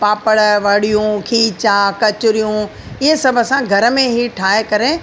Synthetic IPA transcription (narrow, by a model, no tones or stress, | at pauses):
paːpəɽʋɐɽijũkʰiːt͡ɕaːkɐt͡ɕʊɾijũ | ɪɦesɐbʱəsãɡʱɐɾə̆mẽɦiʈʰaːekɐɾe